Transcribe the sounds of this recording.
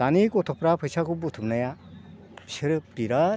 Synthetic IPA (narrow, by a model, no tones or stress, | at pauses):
anikɔt̪ʰɔpɾapʰɯjsʰakubut̪ʰumnaja | siɾɯpɾiɾa